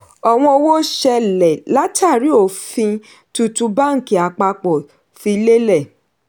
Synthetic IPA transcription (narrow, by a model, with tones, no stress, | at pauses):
ɔ˨w̃ɔ̃˧o˧wo˦ʃɛ˧lɛ˨la˦ta˦˨ɾi˨˦o˦˨fĩ˧ | tu˧tu˧ba˦ŋ̩˨ki˨a˨k͡pa˧k͡pɔ˨ | fi˧i˧le˦lɛ˦˨